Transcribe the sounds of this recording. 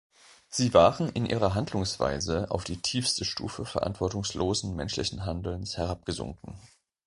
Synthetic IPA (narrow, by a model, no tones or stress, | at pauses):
z̥iːvaːʁənɪnʔḭːʁ̞ɐɦandlʊŋsv̥a̰ɪzəa̰ʊfd̥iːtʰiːfstəʃtṵːfəfɛɐʔa̰ntv̥ɔɐtʊŋsloːzn̩mɛnʃlɪ̰çn̩ɦandl̩nshɛʁ̞ap̚ɡ̥əzʊ̰ŋkŋ̩